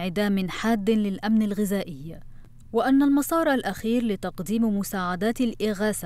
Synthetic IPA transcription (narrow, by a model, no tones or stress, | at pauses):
ʕɪd̪aːmɪnħaːd̪ːɪnlɪlʔamnalɣɪzaːʔɪjːa | wɪʔanːalmɑsˤɑːɾˤʔalʔaxiːɾlɪt̪ɑqd̪iːmmʊsaːʕad̪aːt̪alʔɪɣaːsa